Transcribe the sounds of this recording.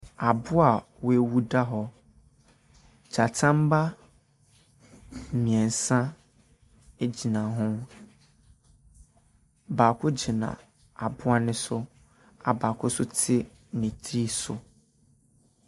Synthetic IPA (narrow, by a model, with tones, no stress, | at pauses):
a˨bʊ˦a˨we˨wu˦da˦ɦɔ˦ | d͡ʑa˨tʰã˦m˦ba˦˨ | mĩ˨ɛ̃˨n˨sã˦ | e˦d͡ʑi˨nã˨ɦʊ̃˦ | baː˨kʰʊ˦d͡ʑi˨nã̰˨ | a˨bʊ˦a˦nɪ̃˦sʊ˦ | a˨baː˨kʰʊ˦sʊ˦tʰɪ˦ | nĩ˨tʰɾi˦sʊ̰˨